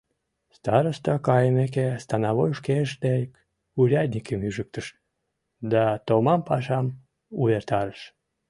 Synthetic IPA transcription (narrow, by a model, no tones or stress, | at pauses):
st̪ɑɾəst̪ɑkɑjəmek̬est̪ɑnɑβojʃkeʃt̪ejk | uɾʲɑd̪ʲnʲikəmyʒək̚t̪əʃ | d̪ɑt̪omɑmpɑʃɑm | uβert̪ɑɾəʃ